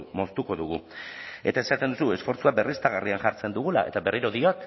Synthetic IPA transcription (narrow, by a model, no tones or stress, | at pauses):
mo̞st̪uko̞ðuɣue̞̰t̪ae̞sat̪e̞nd̪usue̞sfo̞ɾt͡suabe̞rist̪aɣ̞ariaŋʝaɾt͡se̞nd̪uɣ̞ula̰ʔe̞̰t̪aβe̞riɾo̞ðioak